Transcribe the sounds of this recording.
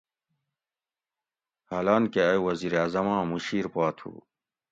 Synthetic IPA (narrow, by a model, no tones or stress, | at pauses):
halaːnkeɐuwɐziːɾeaːzɐmãːmuɕiːɾpaːt̪ʰṵ